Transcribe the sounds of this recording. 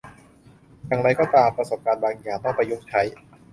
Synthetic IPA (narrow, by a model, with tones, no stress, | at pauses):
jaː˨˩ŋɾa˧jkɔː˥˩t̪aː˧mpɾa˧so˨˩p̚kaː˧nbaː˧ŋjaː˨˩ŋt̪ɔ˥˩ŋpa˧jːu˦˥˩t͡ɕʰa˦˥j